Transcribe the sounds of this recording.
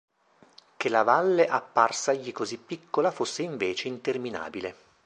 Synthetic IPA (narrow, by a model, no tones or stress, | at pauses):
kelavalːeʔapːarsaʎːikozipːikːolafosːeiɱveːt͡ʃeint̪ermina̰ːbile